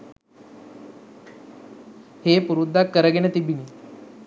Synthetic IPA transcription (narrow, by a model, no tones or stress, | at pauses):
hepuɾud̪ːakːəɾəɡenet̪ibini